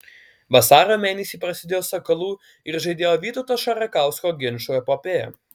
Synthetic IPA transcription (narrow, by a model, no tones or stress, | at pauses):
ʋɐsɑːɾoːmʲeːnʲɛsʲiːpɾɐsʲɪd̪ʲeːjoːsɐkɐlˠuː | ɪɾʒɐɪd̪ʲeːjoːʋʲiːt̪oʊt̪oːʃɐɾɐkɑˑʊskoːɡʲɪnʃoːɛpɔːpʲeːjɛ̰